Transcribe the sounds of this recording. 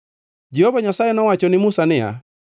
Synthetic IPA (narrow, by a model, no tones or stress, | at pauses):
d͡ʒɛhovaɲasajɛnɔwat͡ʃɔnɪmusanɪa̰